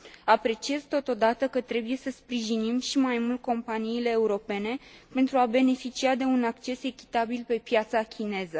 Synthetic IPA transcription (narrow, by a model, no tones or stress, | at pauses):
apɾe̞t͡ʃiezt̪o̞t̪o̞d̪at̪əkət̪ɾe̞buje̞səspɾiʒinimʃimajmult̪̚ko̞mpaniːle̞ːuɾo̞pe̞ne̞pe̞nt̪ɾuabe̞ne̞fit͡ʃiad̪e̞unakt͡ʃe̞se̞kʲi̥t̪abilpe̞pjat̪sakʲine̞zə